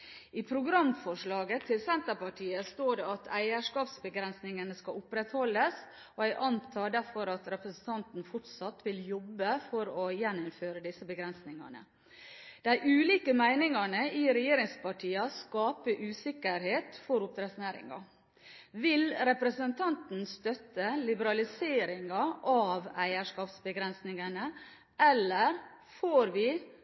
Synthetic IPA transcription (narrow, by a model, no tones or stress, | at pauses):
iːpʰɾʊɡɾɑmfɔʂɭɑːɡət̪ʰɪlsɛnt̪əpɑʈʰiːəst̪oːɖɛɑt̪ʰæɪəʂkɑːpsbəɡɾɛnsnɪŋənəskɑʊpɾɛt̪hɔlːəs | oæɪʔɑnt̪ʰɑːɖæɾfɔɾɑt̪ɾɛpɾəsn̩t̪ʰɑnt̪n̩fʊʈsɑt̪ʋɪljɔbːəfɔɾɔjɛnːʊmføːɾəd̪ɪsəbəɡɾɛnsnɪŋɑ̰ɳə̰ | d̪̥æɪʔʉːliːkəmæɪnɪŋɑɳəiːɾɛjeːɾɪŋspɑʈʰiːɑskɑːpəʔʉːsɪkəɾɦeːt̪fɔɾʊp̚t̪ɾɛsnæːɾɪ̰ŋɑ̰ | ʋɪlɾɛpɾəsənt̪ʰɑnt̪n̩st̪œt̪əlɪbəɾɑlɪseːɾɪŋɑʔɑʋæɪəʂkɑːpsbəɡɾɛnsnɪŋənə | ʔɛlːəɾ | foːɾʋɪ